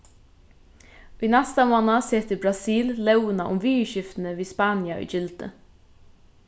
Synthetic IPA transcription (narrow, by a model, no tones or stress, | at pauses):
ʋiːnɛst̪ɑmoːnaseːt̪ɪbɾɑsiːllɛʊənaʔʊmʋiːəʃɪft̪n̩əʋiːspɑːnjaʏ̰ːd͡ʒɪld̪̥ə̰